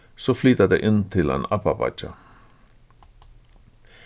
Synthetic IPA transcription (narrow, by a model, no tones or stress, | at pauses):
soːflyːt̪ad̪ḛːʔɪnt̪ʰɪlḛːnɑpapɑ̰t͡ʃa